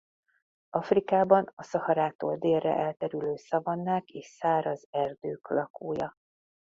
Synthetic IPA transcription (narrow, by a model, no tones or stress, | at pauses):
ɒfrikaːbɒnɒsɒhɒɾaːt̪o̰ːld̪eːrːɛ̰ʔɛlt̪ɛɾyløːsɒvɒnːaːkeːʃsaːɾɒzɛrd̪øːklɒkoːjɒ